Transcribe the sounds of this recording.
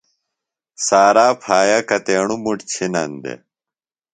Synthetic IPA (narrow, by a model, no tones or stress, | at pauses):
saːɾaːpʰaːjakɐt̪eːɳumuʈt͡ɕʰinɐnd̪ḛ